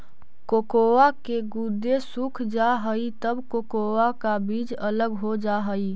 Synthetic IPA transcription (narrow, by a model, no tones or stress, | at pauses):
kokowakeɡud̪ːesukʰd͡ʒaɦəit̪əbkokowakabid͡ʒələɡɦod͡ʒaɦəi